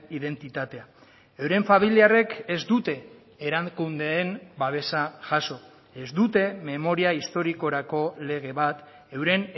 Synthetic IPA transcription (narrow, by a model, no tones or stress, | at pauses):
iðe̞nt̪it̪at̪e̞a | ewɾe̞ɱfamiliare̞kezd̪ut̪e̞ː | ɾaŋkund̪e̞ːnbaβ̞e̞saʝaso̞ | e̞zd̪ut̪e̞me̞mo̞ɾiaist̪o̞ɾiko̞ɾako̞le̞ɣ̞e̞βat̪ | e̞wɾe̞n